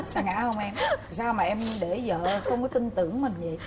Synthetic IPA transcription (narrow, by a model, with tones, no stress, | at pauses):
saː˧ŋa̰ː˧˥hə˧wŋ͡mʔɛ˧m | saː˧wmaː˨˩ʔɛ˧mɗe˧˩zə̰ː˧˨xə˧wŋ͡mkɔ˨˦t̪i˧ŋt̪ɨ˧˩˨əŋmï˨˩ɲ̟zə̰˨j